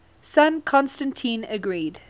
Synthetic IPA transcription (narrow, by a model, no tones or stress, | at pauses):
sãnkʰɔ̃nstə̃ntʰĩːnəɡɹiːd